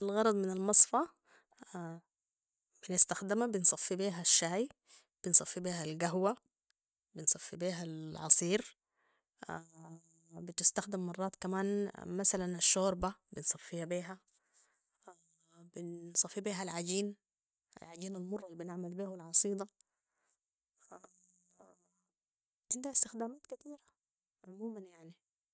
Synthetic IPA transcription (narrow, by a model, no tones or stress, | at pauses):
alɣɑɾˤɑd̪ˤmɪnalmɑsˤfɑ | b̥ɪnɪst̪axd̪ɪmabɪnsˤɑfːibiːɦaʃːaːj | b̥ɪnsˤɑfːibiːɦalɡaɦwa | bɪnsˤɑfːibiːɦalʕɑ̰sˤiːɾ | bɪt̪ɪst̪axd̪ɪmːɑrˤːɑːt̪kamaːnmasalanaʃːoːɾbabɪnsˤɑfːihabiːɦa | bɪnsˤɑfːibiːɦalʕaɟiːn | a̰lʕaɟiːnalmʊrˤːɑlbɪnɪʕmalbiːhalʕɑsˤiːd̪ˤɑ | a | bt̪ɪnd̪aʕɪst̪ɪxd̪aːmaːt̪kat̪iːɾḁ | ʕʊmuːmanjaʕni